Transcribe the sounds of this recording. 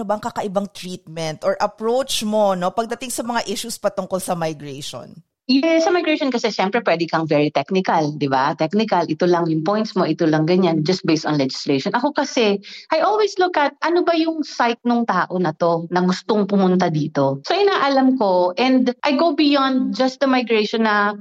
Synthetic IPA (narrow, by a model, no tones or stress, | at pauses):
obɐɐŋkakɐʔɪbaŋt̪ɾiːt̪̚mɛnt̪ʔoɹʔɐpɹowt͡ʃmo̞no̞pɐɡ̚d̪ɐt̪ɪŋsɐmɐŋaʔɪʃuspɐt̪ʊŋkolsɐmɐjɡɾeʃo̰n | jɛsɐmajɡɹejʃonkɐsɛʃɛmpɾɛpwɛːd̪ɪkɐŋvɛɹit̪ɛknɪkɐld̪ɪbat̪ɛk̚nɪkɐlʔɪt̪olɐŋjʊŋpojnt̪smoʔɪt̪olɐŋɡɐɲand͡ʒɐst̪̚bejst̪ɔnlɛd͡ʒɪslejʃonʔɐko̞kɐsɛʔɐjʔolwislʊkʔɐt̪̚ʔɐnobɐjʊŋsajt̪̚nʊŋt̪aːʔo̞nɐt̪o̞nɐɡʊst̪o̞ŋpʊmʊnt̪̬ad̪iːt̪o̞soʔɪnaːʔɐlamko̞ʔɛ̃nd̪ʔɐjɡowbɪjɔnd̪̚d͡ʒɐst̪̚d̪ɐmajɡɹejʃonːɐ